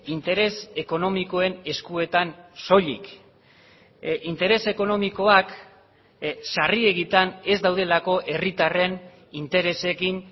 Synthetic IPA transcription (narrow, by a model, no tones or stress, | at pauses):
int̪e̞ɾe̞se̞ko̞no̞miko̞e̞ne̞skue̞t̪anso̞ʎḭk | int̪e̞ɾe̞se̞ko̞no̞miko̞ak | sarie̞ɣit̪ane̞zd̪awðe̞lako̞ʔe̞rit̪are̞n | int̪e̞ɾe̞se̞kin